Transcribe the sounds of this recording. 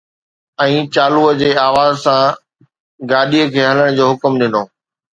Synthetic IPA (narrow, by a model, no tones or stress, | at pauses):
ɛ̃ːt͡ɕaːluəd͡ʑeːaːʋaːzsã | ɡaːɗiəkʰeːɦɐləɽ̃d͡ʑoːɦʊkmɗɪnoː